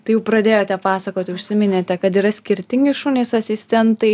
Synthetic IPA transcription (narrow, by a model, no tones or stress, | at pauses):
t̪ɐɪjɛʊpɾɐd̪ʲeːjoːt̪ʲɛpɑːsɐkoːt̪ʲɪʊʃʲsʲɪmʲɪnʲeːt̪ʲɛkɐt̪iɾɐsʲkʲɪɾʲt̪ʲɪŋʲɡʲɪʃunʲesɐsʲɪsʲt̪ʲɛnt̪ɐɪ